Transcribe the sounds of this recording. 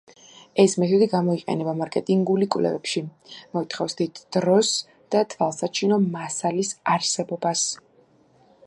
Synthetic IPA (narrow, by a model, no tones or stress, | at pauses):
ɛsmɛt̪ʰɛd̪iɡamɔiqʼɛ̰nɛbamaɾkʼɛt̪ʼiŋɡulikʼwvlɛ̰vɛpʃimɔit̪χɔfsd̪it̪ʰd̪̥ɾɔs | d̪̥at̪ʰvalˠsat͡ʃʰinɔmasalisaɾsɛbɔbas